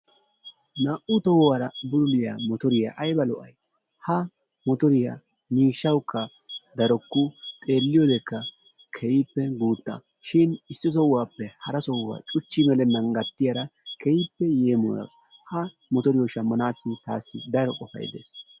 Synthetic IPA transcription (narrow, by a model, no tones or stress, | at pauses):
naːʔʊt̪ɔwwaːɾɐbʊlʊlɪja̰ːmɔt̪ɔɾɪja̰ːʔɐjbɐlɔʔɐ̰j | hɐ | mɔt̪ɔɾɪja̰ | miːʃːɐwkːɐ | d̪ɐɾɔkːʊt̪ʼe̞ːlːɪjoːd̪ɛkːɐ | kʰɛjipːɛɡuːt̪ːa̰ | ʃɪnɪsːɪs̬ɔwːaːpːɛhɐɾɐsɔwːa̰ːt͡ʃʼʊt͡ʃːɪmɛlɛnɐŋɡɐt̪ːɪjɐɾɐkʰɛjɪpːɛje̞ːmɔ̰jɐ̰ws | hɐ | mɔt̪ɔɾɪjɔʃɐmːɐnaːsːɪt̪a̰ːsːɪd̪ɐɾɔkʼɔfɐ̰j̰d̪ḛːs